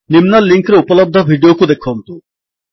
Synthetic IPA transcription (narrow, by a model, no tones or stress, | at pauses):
nimnalːiŋkeɾeupolɔb̚d̪ʱabʱiɖiokud̪ekʰːɔnt̪u